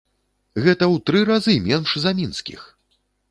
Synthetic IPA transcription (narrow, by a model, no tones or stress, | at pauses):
ɣɛt̪ɐwt̪ɾɨɾazɨmʲɛnʂzɐmʲinskʲḭx